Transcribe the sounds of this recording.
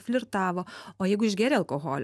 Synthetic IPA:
fʲlʲɪɾt̪ɑːʋoːoːjɛɪɡʊɪʒɡʲæːɾʲɛːɐlˠkoːɣoːlʲ

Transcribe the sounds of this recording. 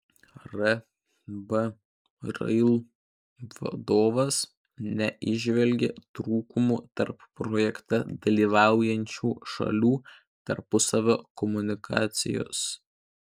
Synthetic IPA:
ɾɛ | bɛ | ɾɐ̰ɪlˠ | ʋɐ̰d̪oːʋɐs | nʲɛʔɪʒʲʋʲɛlʲɡʲḛt̪ɾuːkʊmuːt̪ɐɾpːɾɔːjɛkt̪ɐd̪ɐlʲiːʋɑˑʊjɛnʲt͡ʃʲuːʃɐ̰lʲuː | t̪ɐɾpʊsɐʋʲoːkɔmʊnʲɪkʰɑ̰ːt̪sʲɪ̰jo̰ːs

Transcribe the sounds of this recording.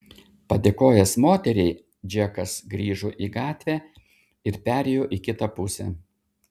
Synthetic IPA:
pɐd̪ʲeːkoːjɛsmoːt̪ʲɛɾʲɛɪ | d͡ʒʲiɛkɐsɡɾʲiːʒuːʔiːɡɑːt̪ʲʋʲæː | ɪɾpʲæːɾʲɛjoːʔiːˑkʲɪt̪ɑpʊsʲɛ̰ː

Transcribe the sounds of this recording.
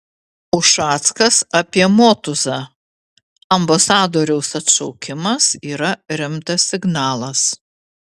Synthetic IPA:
ʊʃɑːt̪skɐsɐpʲiɛmoːt̪ʊzɑ | ɐmbɐsɑːd̪oːɾʲɛʊsɐt̪ʃɐʊkʲɪmɐsiːɾɐɾʲɪmt̪ɐsːʲɪɡnɑːlˠɐs

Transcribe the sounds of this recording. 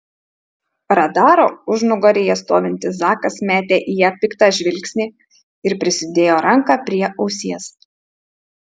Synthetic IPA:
ɾɐd̪ɑːɾoːʊʒnʊɡɐɾʲɪjɛst̪oːʋʲɪnʲt̪ʲɪzɑːkɐsmʲæːt̪ʲeːʔijæːpʲɪkt̪ɑʒʲʋʲɪlʲksʲnʲiː | ɪɾpʲɾʲɪsʲɪd̪ʲeːjoːɾɐŋkɑpʲɾʲiɛʔɒʊsʲiɛs

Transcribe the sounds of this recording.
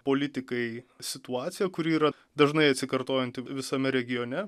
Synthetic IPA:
poːlʲɪt̪ʲɪkɐɪsʲɪt̪uɑːt̪sʲɪjɛkʊɾʲiːɾɐ | d̪ɐʒnɐɪɐt̪ʲsʲɪkɐɾt̪oːjɛnt̪ʲɪʋʲɪsɐmʲɛɾʲɛɡʲɪjoːnʲɛ

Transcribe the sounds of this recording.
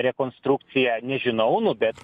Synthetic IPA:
ɾʲɛkoːnst̪ɾuk̚t̪sʲɪjɛnʲɛʒʲɪnɐʊnʊbʲɛt̪

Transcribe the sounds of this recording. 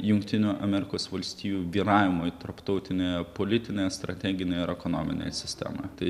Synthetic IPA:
jʊŋkt̪ʲɪnʲuːʔɐmʲɛɾʲɪkoːsʋɐlʲsʲt̪ʲiːjuːʋʲiːɾɑːʋʲɪmojt̪ɐɾpt̪ɒʊt̪ʲɪnʲeːjɛpoːlʲɪt̪ʲɪnʲeːjɛst̪ɾɐt̪ʲæːɡʲɪnʲɛɪɪɾɛkono̰ːmʲɪ̰nʲḛjsʲɪ̥sʲt̪ʲæ̰ːmɐ̰jt̪ɐɪ

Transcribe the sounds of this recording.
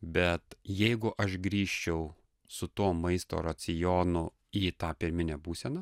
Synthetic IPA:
bʲɛt̪jɛɪɡʊʔɐʃɡɾʲiːʃʲt͡ʃʲɛʊ | sʊt̪uɔmɐɪst̪o̰ːɾɐsʲɪjoːnʊ | iːt̪ɑːpʲɪɾʲmʲɪnʲɛbuːsʲɛnɐ

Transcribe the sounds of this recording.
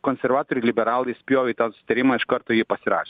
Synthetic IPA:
konʲsʲɛɾʋɑːt̪oːɾʲɪlʲɪbʲɛɾɑːlˠɐɪsʲpʲjoːʋʲɛɪt̪ɐnsʊsʲɪt̪ɐɾʲɪmɑːɪʃkɐɾt̪oːjiːpɐsʲɪɾɑ̰ːʃʲ

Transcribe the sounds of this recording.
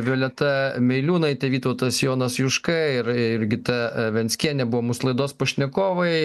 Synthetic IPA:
ʋʲoːlʲɛt̪ɐmʲɛɪlʲuːnɐɪt̪ʲɛʋʲiːt̪ɐʊt̪ɐsjoːnɐsjʊʃkɐɪɪɾɪɾʲɡʲɪt̪ɐʋʲɛnʲsʲkʲiɛnʲɛbʊʋoːmuslˠɐɪd̪oːspɐʃʲnʲɛkoːʋɐɪ

